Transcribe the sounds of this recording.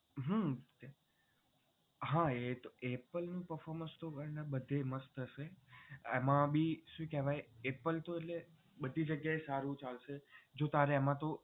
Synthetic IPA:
ɦət̪e | ɦãet̪oepəlnũpəɾfɔɾmə̃nst̪okəɾnabəd̪ʱeməst̪əʃeemãbiʃũkɛʋajepəlt̪oeʈle | bəd̪ʱid͡ʒəɡjaesaɾũt͡ʃalʃed͡ʒot̪aɾeːmãt̪o

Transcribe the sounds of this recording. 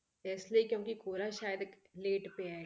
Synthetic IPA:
ɛːsliikjõːkikoːɾaʃaːjəd̪ | leːʈpea

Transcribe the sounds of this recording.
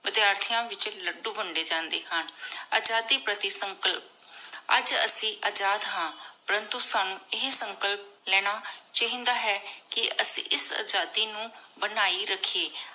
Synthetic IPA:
ʋɪd̪jaːɾt̪ʰijãːʋɪt͡ʃləɖuːbəɳɖeːd͡ʒãːnd̪eːɦəna̰ːd͡ʒaːd̪iːpɾət̪ɪsəŋkəlp̚ | ə̰d͡ʒə̰sĩːʔaːd͡ʒaːd̪ɦãːpəɾənt̪uːsaːnũːɪɦsəŋkəlp̚lɛːɽ̃aːt͡ʃaːɦĩːnd̪aːɦɛːkɪəsḭ̃ːʔɪsa̰ːd͡ʒaːd̪iːnũː | bənaːiːɾəkʰeː

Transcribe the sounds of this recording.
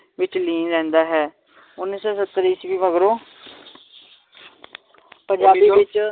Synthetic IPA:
ʋɪt͡ʃliːnɾɛ̃ːnd̪aːɦɛː | ʊnːisɔːsət̪ːɾiːsʋiːməɡɾoː | pə̃ɲd͡ʒaːiɪt͡ʃ

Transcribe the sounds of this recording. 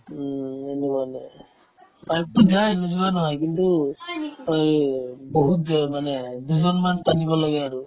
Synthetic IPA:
enɛbajnɛ | bajk̚tudiajenuzubanɔɦɔjkintu | ɔjboɦut̚zmanɛduzɔnmanstanibɔlɔɡɛaɹu

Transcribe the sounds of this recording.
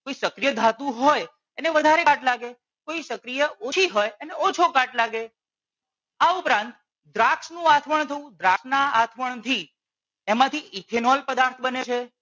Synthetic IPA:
koisəkɾijəd̪ʱat̪ũɦoj | eneʋəd̪ʱaɾeaʈlaɡe | koisəkɾijəot͡ʃʰiɦojeneɔt͡ʃʰokaʈlaɡe | aupɾãnt̪ | d̪ɾaksnũat̪ʰʋəɳt̪ʰəũd̪ɾasnaat̪ʰʋəɳt̪ʰi | emãt̪ʰiʔikʰenɔlpəd̪aɾt̪ʰbənet͡ʃʰe

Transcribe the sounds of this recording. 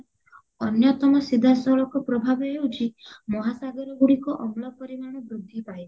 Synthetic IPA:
ɔnjɔt̪ɔmɔsid̪ʱasɔɭɔkɔpɾɔbʱabɔɦewt͡ʃʰimɔɦasaɡɔɾɔɡuɽikɔʔɔmlɔpɔɾimaɽ̃ɔbɾud̪ʱːipaj

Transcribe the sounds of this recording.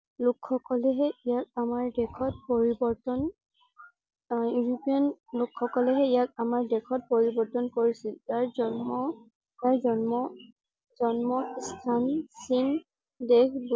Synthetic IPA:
lukxɔkɔlɛɦɛijak̚amaɹdɛkʰɔt̚poɹibɔɹtɔn | juɹupijɔnlukxɔkɔlɛɦɛijak̚amaɹdɛkʰɔt̚poɹibɔɹtɔnkoɹisiltaɹzɔmɔ | taɹzɔnmɔ | zɔnmɔstʰansin | dekʰb

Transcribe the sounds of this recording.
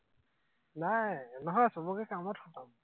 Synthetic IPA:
najnɔɦɔjsɔbɔɡɛkamɔtxʰɔtam

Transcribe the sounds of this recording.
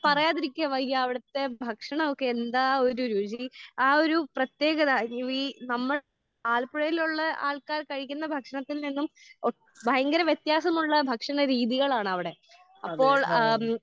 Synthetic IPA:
pɐrɐjaːðiɾikʲːamɐiɐɐʋiɽɐt̪ːe̞bʱɐkʂɐɳɐokːeːnd̪aːo̞ɾuɾut͡ɕiaːo̞ɾuprɐt̪je̞ːɣɐðaʋinɐmːɐɭ | aːɭpuɽɐjiluɭːɐa̰ːɭkaːrkɐɻik̬ʲːunːɐbʱɐkʂɐɳɐt̪ːilninːum | bʱɐjɐŋɡɐɾɐʋjet̪jaːsɐmuɭːɐbʱɐkʂɐɳɐɾiːðiɣɐɭaːɳɨɐʋiɽe̞ | ɐpːo̞ːɭ

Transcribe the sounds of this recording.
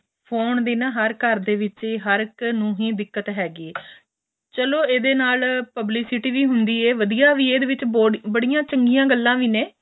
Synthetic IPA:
pʰoːnd̪eːnãːɦəɾkəɾd̪eːʋɪt͡ʃeːɦəɾknũːɦĩːd̪ɪkːət̪ɦɛːɡiːeː | t͡ʃəloːeːd̪eːnaːlpəbliːsɪʈiːʋiːɦʊnd̪iːɛːʋəd̪ijaːʋiːeːd̪eːʋɪt͡ʃobəɽijãːt͡ʃəŋɡijãːɡəlːãːʋiːnẽː

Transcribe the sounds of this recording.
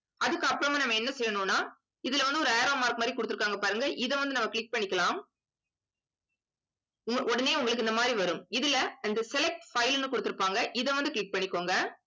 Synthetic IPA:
ɐðɯkːɯɐpːɯɾɐmaːnɐmːɐɛnːɐsɛjːɐnoːnːaː | ɪðɪlɐʋɐnd̪ɯɔɾɯɐːɾoːmaːɾkmaːd̪ɾikɔɽɯt̪ːɯɾɯkːaːŋɡɐpaːɾɯŋɡɐʔɪðɛ̃ʋɐnd̪ɯnɐmːɐkɭɪk̚pɐɳːɪkːɐlãːm | ʊŋʔɔɽɐneːʊŋɡɐɭɯk̬ːɯɪnd̪ɐmaːd̪ɾiʋɐɾɯmɪðɪlɐɐnd̪ɐsɛlɛk̚ʈfɐɪlnːɯkɔɽɯt̪ːɯɾɯpːaːŋɡɐʔɪðɛ̃ʋɐnd̪ɯkɭɪk̚pɐɳːɪkːoːŋɡɐ

